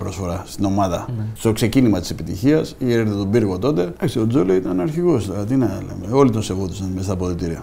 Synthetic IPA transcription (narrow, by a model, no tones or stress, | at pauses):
pɾo̞sfo̞ɾɐst̪ino̞mɐðɐst̪o̞kse̞cinimɐt̪i̥se̞pit̪ḭçiɐsieɾθet̪obiɾɣo̞t̪o̞t̪e̞eksio̞d͡zoloit̪ɐnɐɾçiɣo̞st̪ot̪inɐlḛmeo̞lit̪onse̞vot̪isɐnmest̪ɐpoðot̪iɾiɐ